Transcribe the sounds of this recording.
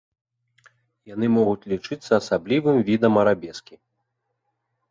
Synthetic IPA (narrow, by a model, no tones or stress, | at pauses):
janɨmɔɣut͡sʲlʲit͡ʂɨt̪sːɐːsablʲivɨmvʲid̪ɐmɐɾabʲɛskʲi